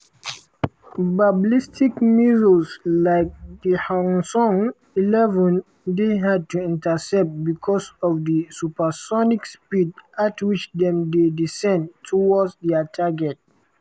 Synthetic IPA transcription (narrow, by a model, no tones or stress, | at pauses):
bablistʰikmiɹoslaɪk̚dəhãnsɔ̃ŋ | ilɛvə̃n | deɦad̚tuĩntəsɛp̚t̚bikʰɔsɔfdəsupəsɔnikspidatwit͡ʃdɛ̃mdedisɛ̃ndtʰɔwɔdsdɛətʰaɡɛt̚